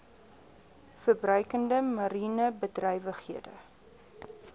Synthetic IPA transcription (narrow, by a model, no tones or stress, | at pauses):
fərbrœɥkəndəmɐɾiːnəbədrœjvəχhiədə̰